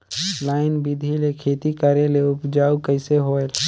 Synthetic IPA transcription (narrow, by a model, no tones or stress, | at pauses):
laːɪnbɪd̪ʱilekʰeːt̪ikəɾeleʊpd͡ʒaːukəɪseɦoːel